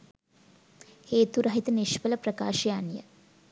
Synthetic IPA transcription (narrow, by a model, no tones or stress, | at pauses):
heːt̪uɾɐɦit̪əniʃʋələprɐkaːʃɐjanjə̰